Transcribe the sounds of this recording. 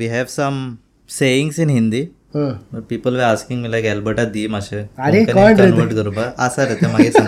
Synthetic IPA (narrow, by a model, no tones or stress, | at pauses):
ʋiːɦɛʋsəm | seĩŋɡsĩnɦĩnd̪i | ɦə̃məpiːpəlʋeaskĩŋmilaɡɛlbəʈad̪imaɕeaɾekkɔlɖeəʈɡəɾubaasaɾet̪em̤aɡesãŋɡ